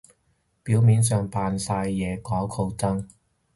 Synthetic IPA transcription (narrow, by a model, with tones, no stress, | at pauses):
piː˨˥wmiː˨˧ns̬œː˨˧ŋpaː˨nsaː˧jːɛː˨˧kɔː˨˥kʰo˧wt͡sɐ˥ŋ